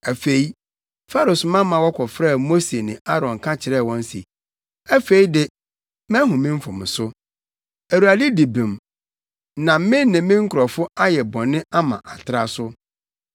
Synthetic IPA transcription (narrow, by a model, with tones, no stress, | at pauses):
æ˨fe˨i˦ | fa˦ɾʊ˨smã˦mã˨wɔ˦kʰɔ˨fɾɛ˦˨mo˦se˨nɪ̃˨ʔa˦ɾɔ̃˨ŋ˨kʰã˦t͡ɕʰɪ˨ɾɛ˦˨wɔ̃˦n˦sḭ˨ | æ˦fe˨i˦dɪ˨ | mɛ̃˦ɦʊ̃˨mɪ̃˦m̩˦fʊ̃˨m˨sʊ˦ | æ˨ɾu˨a˨di˦di˨bĩ˨m | nã˨m˦mɪ̃˦n˦nɪ̃˨mɪ̃˦ŋ̩˦kʰʊ˨ɾɔ˨fʊ˦a˦jɛ˨bɔ̃˨nːɪ̃˦a˦mã̰˨ʔa˨tʰɪ˦ɾa˦sʊ˦